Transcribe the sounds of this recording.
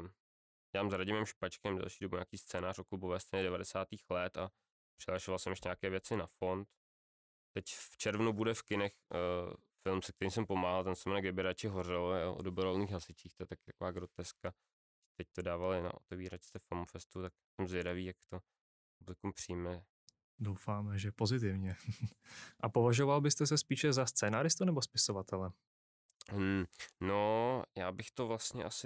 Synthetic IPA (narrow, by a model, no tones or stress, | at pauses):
jɛlaːmzɾaɟɪmɛmʃpat͡ʃkɛmdɛ̰lʃiːdobuɲaːkiːst͡sɛːnaːro̞klubovɛːst̪ɛːɲɛdɛvadɛsaːt̪iːxlɛt̪a | pr̥ɪlaʃovalsɛmaʃɲaːkɛːvjɛt͡sɪnafo̞nt̪ | t̪ɛcft͡ʃɛɾvnubudɛfkɪnɛx | fɪlmsɛkt̪ɛɾiːmsɛmpo̞maːɦalt̪ɛnsomɛnaɡdɪbɪɾat͡ʃɪɦorɪljoʔo̰dobɾoolniːxɦasɪt͡ʃiːxt̪ojɛt̪akɪ̥t̪ḁkovaːɡɾo̞t̪ɛska | t̪ɛc̚t̪odaːvalna̰ʔo̰t̪ɛviːɾat͡ʃst̪ɛfamofɛst̪ut̪aksɛmzvjɛdaviːjakt̪o | publɪkumpr̝̥ɪjmɛ | dowfaːmɛʒɛpo̞zɪt̪ɪvɲɛ | ʔapovaʒovalbɪst̪ɛs̬ɛspiːʃɛzast͡sɛːnaːɾɪst̪unɛbospɪsovat̪ɛlɛ | nojaːbɪxt̪o̞vlast̪ɲɛ̰ʔasɪ